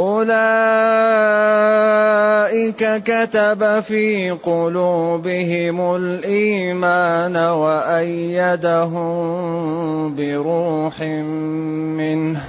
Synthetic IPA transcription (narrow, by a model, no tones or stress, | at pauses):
ʔʊlaː | ʔɪkakat̪abafiːqʊluːbɪɦɪmʊlʔiːmaːnawaʔajːad̪aɦʊm | bɪɾuːħɪm | mɪnh